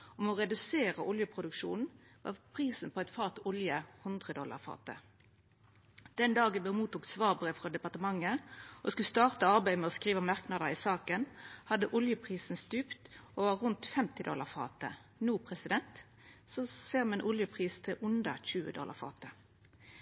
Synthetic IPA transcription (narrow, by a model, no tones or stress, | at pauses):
ɔmɔʁɛd̪ʉseːʁəʔʊljəpʰʁʊd̪ʉkʂṵːnn̩ʋɑ̰ːpʰʁiːsn̩pʰɔæɪt̪fɑːt̪ʊljəhʉnd̪ʁəd̪ɔlːɑ̰ʁfɑ̰ːt̪ə̰ | d̪̥ɛnd̪ɑːɡəbmuːt̪uːk̪sʋɑːʁbəʁəfʁɑd̪ɛpɑʁt̪əmɑŋːəʔɔskʉlst̪ɑːʁt̪əɑʁbæɪmɛɔskʁiːʋəmɑʁknɑd̪əɪsɑːkənhɑd̪əʔʊljəpʰʁiːsn̩st̪ʉːpt̪oʋɑʁʁʉnt̪fɛmt̪ɪd̪ɔ̰lːɑʁfɑ̰ːt̪ə̰nuːpʰʁɛsɪd̪ɛnt̪ | soseːʁmɛɛnʔʊljəpʰʁiːst̪ʰɪlʔʉnd̪əçʉːə̰d̪ɔ̰lʔɑ̰ʁfɑ̰ːt̪ə